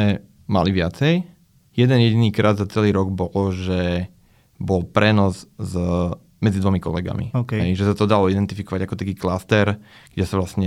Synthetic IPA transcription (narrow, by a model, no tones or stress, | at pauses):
ɛ | ma̰liʋɪat͡sɛj | jɛd̪ɛnjɛɟiniːkɾʔad̪zat͡sɛliːɾɔɡbɔlɔʒɛ | bɔlpɾɛnɔzz | mɛd͡zid̪ʋɔmikɔ̰lɛɡa̰mḭkɦɛjʒɛsat̪ɔd̪alɔid̪ɛnt̪ifikɔʋaɟakɔt̪akiːklast̪ɛɾɡ̥ɟɛsaʋlasɲɛ